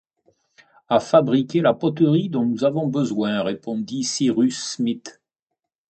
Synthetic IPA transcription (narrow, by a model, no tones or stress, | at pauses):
afabʁikʲelapɔt̪əʁid̪ɔ̃nuzavɔ̃bəzwɛ̃ʁepɔ̃d̪isiʁysmit̪